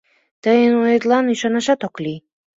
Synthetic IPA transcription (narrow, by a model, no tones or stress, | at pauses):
t̪əjənojet̪lɑnyʃɑnɑʃɑt̪okli